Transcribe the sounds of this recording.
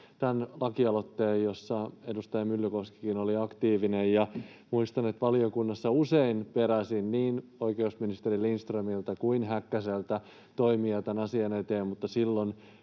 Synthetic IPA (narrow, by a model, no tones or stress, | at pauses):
t̪ænlɑkiɑlo̞t̪ːeːjjo̞sːɑe̞dust̪ɑjɑmylːykoski̥kinoliɑkt̪iːʋinejjɑmuist̪ɑne̞t̪ʋɑliokunːɑsːɑuseinpe̞ɾæsinniːno̞ike̞usminist̪erilːinst̪rømilt̪ɑkuinɦækːæselt̪æ | t̪o̞imiɑt̪ænɑsiɑnet̪eːmmut̪ːɑsilːon